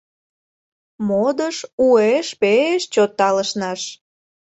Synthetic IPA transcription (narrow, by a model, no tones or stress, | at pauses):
mod̪əʃueʃpeeʃt͡ɕot̪ːɑləʃnɑʃ